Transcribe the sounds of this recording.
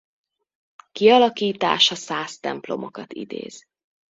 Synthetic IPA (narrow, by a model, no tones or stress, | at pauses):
kiɒlɒkiːt̪a̰ːʃɒsaːst̪ɛ̰mplo̞mo̞kɒt̪ḭd̪ḛːz̥